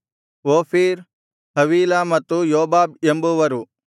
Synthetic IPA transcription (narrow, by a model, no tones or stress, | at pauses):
ʋoːfʰiːɾ | hɐʋiːlamɐt̪ːujoːbaːbembuʋɐɾu